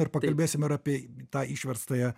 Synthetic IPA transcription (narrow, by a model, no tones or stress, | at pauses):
ɪɾpɐkɐlʲbʲeːsʲɪmɪɾɑːpʲiɛt̪ɑːiːʃʲʋʲɛɾst̪ɐjɛ